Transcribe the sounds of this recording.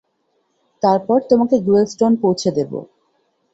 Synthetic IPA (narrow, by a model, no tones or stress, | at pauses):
t̪aɾpɔɾt̪omakeɡuelsʈonpowt͡ɕʰed̪ebo̰